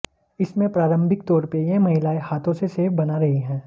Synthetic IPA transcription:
ɪsmẽpɾaːɾə̃mbʱɪkt̪ɔːɾpejẽmɐɦɪlaːehaːt̪ʰõseseːfbɐnaɾɐɦeɦɛ̃ː

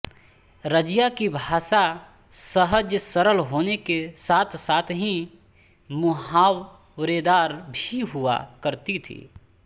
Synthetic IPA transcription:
ɾəd͡ʒjakibʱaːʃa | səɦəd͡ʒsəɾəlɦoːnekesaːt̪ʰsaːt̪ʰɦĩ | mʊɦaːw | ɾed̪aːɾbʱiɦʊa̰kəɾt̪it̪ʰḭː

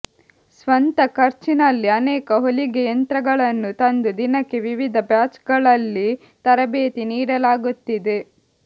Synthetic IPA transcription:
sʋɐnt̪ɐkʰɐɾt͡ʃinɐlːiɐnɛːkɐɦoliɡejɐnt̪ɾɐɡɐɭɐnːut̪ɐnd̪ud̪inɐkːeʋiʋid̪ʱɐbjaːt͡ʃɡɐɭɐlːi | t̪ɐɾɐbeːt̪iniːɽɐlaːɡut̪ːid̪e̞

